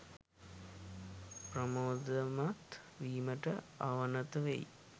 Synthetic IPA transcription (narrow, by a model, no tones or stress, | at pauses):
prəmoːd̪əmat̪ | ʋiːməʈəaʋənət̪əʋḛj